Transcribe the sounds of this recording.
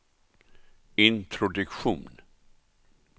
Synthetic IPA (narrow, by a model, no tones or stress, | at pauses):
ɪnt̪ʰɾʊd̪ɵkɧṵːn